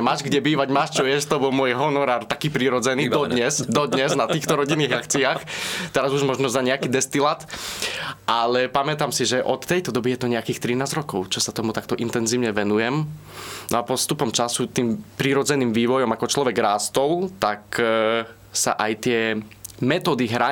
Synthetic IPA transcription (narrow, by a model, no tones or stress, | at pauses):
maːʒɡɟɛbiːʋaɟmaːʃt͡ʃɔjɛʃt̪ɔbɔlmʊɔjɦɔnɔɾaːɾt̪akiːpɾiɾɔd͡zɛniːd̪ɔd̪ɲɛsd̪ɔd̪ɲɛznat̪iːxt̪ɔɾɔɟinːiːɣakt͡siaːxt̪ɛɾazuʒmɔʒnɔzaɲɛakiːd̪ɛst̪ilat̪ | ʔalɛpamɛt̪amsiʒɛʔɔt̪ːɛjt̪ɔd̪ɔbijɛt̪ɔɲɛakiːxt̪ɾinaːzɾɔkɔʊt͡ʃɔsat̪ɔmut̪akt̪ɔʔint̪ɛnziːʊɲɛʋɛnujɛm | nɔapɔst̪upɔmt͡ʃasut̪iːmpɾiɾɔd͡zɛniːmʋiːʋɔjɔmakɔt͡ʃlɔʋɛɡɾaːst̪ɔlt̪ak | sa̰ʔajt̪ɪɛmɛt̪ɔːd̪iɦɾa